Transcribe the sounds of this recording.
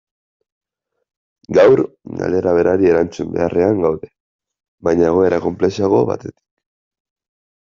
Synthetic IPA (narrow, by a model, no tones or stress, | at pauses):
ɡawɾ | ɡa̰leɾaβ̞e̞ɾaɾie̞ɾant͡sumbe̞̰are̞aŋɡawðe̞ | βajɲaeɣ̞o̞e̞ɾako̞mple̞siaɣo̞βa̰t̪e̞t̪i̥k